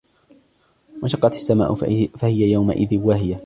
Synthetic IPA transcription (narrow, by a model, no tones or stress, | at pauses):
waʃɑqːɑt̪ḁsːama̰ːʔfahɪjajawma̰ʔɪ̰ðɪwaɦɪja